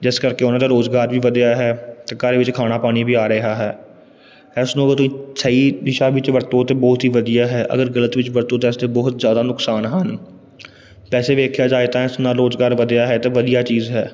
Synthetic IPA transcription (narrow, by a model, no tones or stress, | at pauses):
d͡ʒɪskəɾkeːʊnãːd̪aːɾoːzɡaːɾʋiːʋəd̪ejaːɦɛːt̪ːkəɾeʋɪt͡ʃkʰaːñaːpaːɽ̃iːbiːaːɾəɦaːɦɛː | ɛːsnũːɡət̪ʊĩːsəiːd̪ɪʃaːʋɪt͡ʃʋəɾt̪õːt̪eːbɔːt̪ɦiːʋəd̪ijaːɦɛːʔə̰ɡəɾɡələt̪ʋɪt͡ʃʋəɾt̪õːt̪̬eːsd̪eːbɔːt̪zjaːd̪aːnʊksaːnɦən | pɛːseːʋeːkʰjaːd͡ʒaːet̪aːɛsnaːɾoːzɡaːɾʋəd̪ejaːɦɛːt̪eːʋəd̪ijaːt͡ʃiːzɦɛː